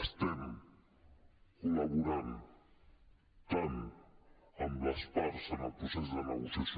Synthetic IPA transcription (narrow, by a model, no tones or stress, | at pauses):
st̪ɛm | kuləβuɾan | t̪an | əmləspaɾsənəlˠpɾusezðəməɣusəs